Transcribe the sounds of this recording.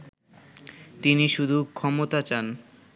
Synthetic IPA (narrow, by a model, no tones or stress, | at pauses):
t̪iniʃud̪ʱukʰːɔmot̪at͡ɕan